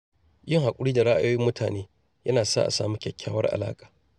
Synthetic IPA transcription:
jɪ˦˨ŋha˨kʷʼʊ˦ɽiː˦da˨ɽa˦ʔa̰˦joː˦jɪ˦mːʊ˦tʰaː˨neː˦ | jɐ˦naː˨sa̰ː˦ʔa̰˨saː˦˨mu˦kʲɛ˨kʲʰːaː˦wɐ˦rʔa̰˨la̰ː˦kʼḁː˨

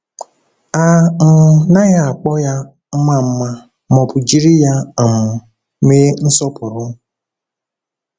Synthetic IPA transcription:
a˨ŋ̩˨na˦ɣa˦a˨k͡pɔ˦ja˦ | m̩˦ma˦m̩˦ma˦ | mɔ˨pʊ˨d͡ʒi˦ɾi˦ja˦a˨m̩˨˦ | me˦n̩˦sɔ˦pʊ˨ɾʊ˦

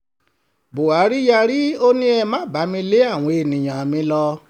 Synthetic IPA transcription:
bo˨a˨˦ɾi˦ja˧ɾi˦o˧nĩ˦ɛ˧mã˨˦ba˨˦mĩ˧le˦a˦˨w̃ɔ̃˧˦e˨nĩ˨j̃ã˨mĩ˧˦lɔ˧

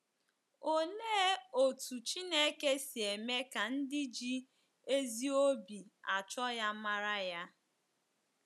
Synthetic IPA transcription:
o˦leː˦o˨tu˨t͡ʃi˦ne˦ke˦si˨e˨me˦ka˨n̩˦dɪ˦d͡ʒi˦ | e˦zi˦o˦bi˨a˨t͡ʃɔ˦ja˦ma˦ɾa˦ja˦

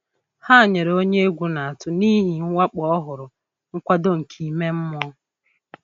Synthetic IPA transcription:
ha˦˨ɲe˨ɾo˦ɲe˦e˦ɡʷu˨na˨a˨tʊ˦ni˦ɦi˨ŋ̩˦wa˦k͡pɔ˨ɔ˦ɦʊ˨ɾʊ˨ | ŋ̩˦kʷa˦do˦ŋ̩˨kʰi˨me˦m̩˦m˦ɔ˦

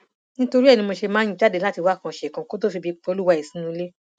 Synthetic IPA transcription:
nĩ˦to˧ɾi˦ɛ˦˨nĩ˧mo˧ʃe˧mãː˦ĩ˧˦t͡ʃa˦de˧˦la˦ti˧wa˦˨kã˧˨ʃɛ˨kã˧ko˦to˦˨fi˧bi˧k͡pɔ˧˦lu˦wa˦i˨sĩ˨˦nũ˧˦le˦

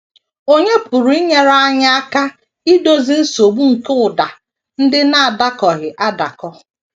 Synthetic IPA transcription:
o˦ɲe˦pʊ˨ɾu˨i˦ɲe˦ɾa˦a˦ɲa˦a˦ka˦ | i˦do˦zi˦n̩˦so˨ɡ͡bu˦ŋ̩˨ke˦ʊ˨da˨ | n̩˦dɪ˦na˦a˨da˦kɔ˨ɣɪ˨ʔa˦da˨kɔ˦

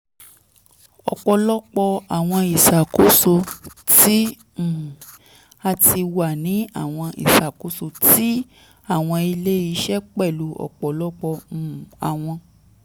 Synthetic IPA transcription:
ɔ̰˨k͡pɔ˧˨lɔ˦k͡pɔ˧a˨w̃ɔ̃˧i˨ʃa˨ko˨˦so˧ti˦ | m̩˨ | a˧ti˧wa˨nĩ˨˦a̰˦˨w̃ɔ̃˧ḭ˨ʃa˨ku˨˦so˧ti˦ | a˦˨w̃ɔ̃˧i˧le˦i˧˦ʃɛ˦k͡pɛ˦˨lu˨˦ɔ̰˨k͡pɔ˨lɔ˦k͡pɔ̃˧˨a˨w̃ɔ̃˧

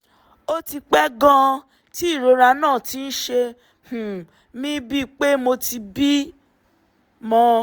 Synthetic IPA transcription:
o˦ti˧k͡pɛ˦ɡã˧ | ti˦˨ɾo˨˧˦ɾa˧nãː˦˨ti˨˦n̩˦ʃe˧ | h̩˨ | mĩ˦bi˦˨k͡pe˦mo˧ti˧bi˦ | mɔ̃˧

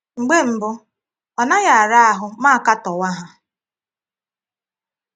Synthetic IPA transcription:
ŋ͡m̩˨ɡ͡be˦m̩˨bʊ˦ | ɔ˨na˦ɣa˨a˨ɾa˦a˦ɦʊ˨ma˦a˦˨ka˦tɔ˨wa˦ɦa˨

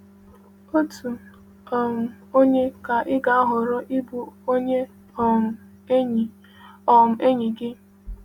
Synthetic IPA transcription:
o˦tu˨ | ɔ˨m̩˨ | o˦ɲe˦ka˨ʔɪ˦ɡa˨a˦ɦʊ˨ɾʊ˦ʔɪ˦bu˨˦ɲe˦˨ | ɔ˨m̩˨ʔe˦ɲi˨ɡɪ˦

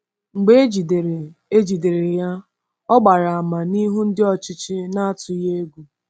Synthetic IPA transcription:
ŋ͡m̩˨ɡ͡be˦d͡ʒi˨dɾe˦d͡ʒi˨de˨ɾe˨ja˦ | ɔ˦ɡ͡ba˨ɾa˨a˨ma˨ni˦ɦu˦n̩˦dɪ˦ɔ˦t͡ʃɪ˦t͡ʃɪ˦na˦a˦tʊ˨˦je˦e˦ɡʷu˨

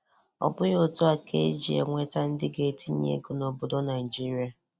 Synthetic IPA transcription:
ɔ̰˨bʊ˦jo˦tu˦a˨kʰe˦e˦d͡ʒi˨ḛ˨ŋʷe˦ta˦n̩˦dɪ˦ɡe˦ti˦ɲ˦ḛ˦ɡo˨no˨bʊ˨dɔ˦na˨i˨d͡ʒi˦ɾi˨˦a˨

